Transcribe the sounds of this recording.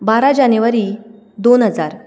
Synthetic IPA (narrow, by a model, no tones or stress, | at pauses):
baɾad͡ʑanəʋaɾiː | d̪onɦəd͡zaɾ